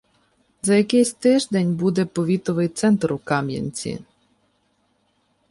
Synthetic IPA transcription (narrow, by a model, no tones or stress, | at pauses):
zɐjɐkɪsʲt̪ɪʒd̪enʲbud̪ɛpɔʋʲit̪ɔʋɪjt̪sɛnt̪ɾukɑmjɐ̰nʲt͡sʲḭ